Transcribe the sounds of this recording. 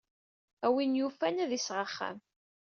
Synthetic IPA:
æwinjufænæðisʁəχːa̰æ̰m

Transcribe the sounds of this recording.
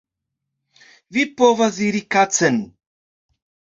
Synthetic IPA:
vipovaziɾikat͡sən

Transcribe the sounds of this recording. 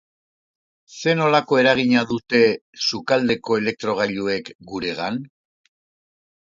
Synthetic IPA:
se̞no̞lako̞e̞ɾaɣ̞iɲaðut̪e̞sukald̪e̞ko̞e̞le̞k̚t̪ɾo̞ɣ̞aʎue̞kɡuɾe̞ɣan

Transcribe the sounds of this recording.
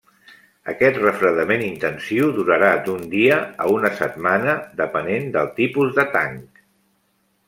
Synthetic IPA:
ə̰kɛt̪rəfɾəðəmenint̪ənsiwðuɾəɾad̪und̪iəəunəsət̪̚manəd̪əpənend̪əlˠt̪ipuzðət̪aŋk

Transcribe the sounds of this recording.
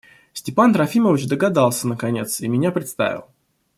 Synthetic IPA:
sʲtʲɪpant̪ɾɐfʲiməvʲɪt͡ɕd̪əɡɐd̪alˠsʲənəkɐnʲe̞̰t̪simʲɪnʲapɾʲɪt̪st̪a̰vʲɪ̰lˠ

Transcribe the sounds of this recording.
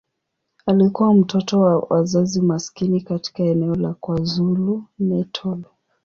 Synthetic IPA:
alikuwam̩tʰɔtɔwawa̰zazimaskinikati̥kaɛnɛɔlakwazulumɛtʰɔl

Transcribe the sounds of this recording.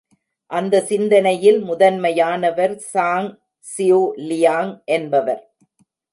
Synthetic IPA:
ʔɐnd̪ɐsɪnd̪ɐnɐjɪlmʊðɐnmɐjaːnɐʋɐɾsaːŋ | sɪjoːlɪjaːŋʔɛnbɐʋɐɾ

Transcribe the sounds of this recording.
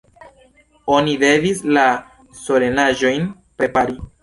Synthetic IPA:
o̞nide̞visla | so̞le̞naʒo̞jn | pɾe̞paɾi

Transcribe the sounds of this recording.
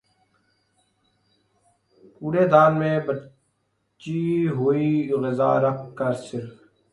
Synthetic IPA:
puːɽeːd̪aːnmẽːbə | t͡ʃiːɦoːiːɣɪzaːɾəkʰkːəɾsɪɾf

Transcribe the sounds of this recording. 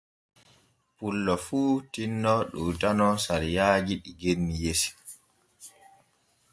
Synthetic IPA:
pulːɔfuːtinːɔɗuːtanɔsaɾijaːd͡ʒiɗiɡenːijesi̥

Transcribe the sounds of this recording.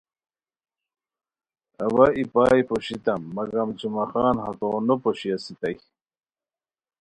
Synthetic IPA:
ɐwaipaːjpoɕit̪ɐmːɐɡɐmt͡ɕumɐxaːnɦɐk̪oːnopoɕiasit̪aj

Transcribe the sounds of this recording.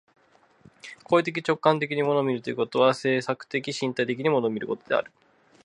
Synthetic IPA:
kʰoːit̪e̞k̬ʲit͡ɕo̞kːãnt̪e̞kʲiɲ̟imo̞no̞ːmʲiɾɯ̟t̪oiɯ̟ko̞t̪o̞βase̞ːsakɯ̟̥t̪e̞kʲiɕĩnt̪ait̪̬e̞k̬ʲiɲ̟imonoːmʲiɾɯ̟ko̞t̪o̞d̪e̞̰a̰ɾɯ̟

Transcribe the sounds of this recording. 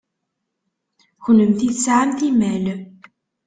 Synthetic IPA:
çləmθiθsʕamθimæl

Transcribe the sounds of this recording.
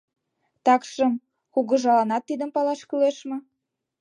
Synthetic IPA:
t̪ɑkʃəm | xuɣə̆ʒɑlɑnɑt̪ːid̪əmpɑlɑʃkyleʃmɤ̆

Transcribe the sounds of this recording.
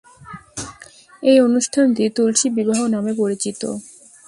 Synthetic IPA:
ejonuʃʈʰant̪it̪ulʃibibaɦonamepoɾit͡ɕit̪o̰

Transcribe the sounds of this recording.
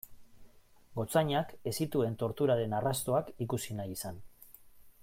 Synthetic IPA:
ɡo̞t͡saɲake̞sit̪ue̞nt̪o̞ɾt̪uɾaɾe̞narast̪o̞akikusinajisan

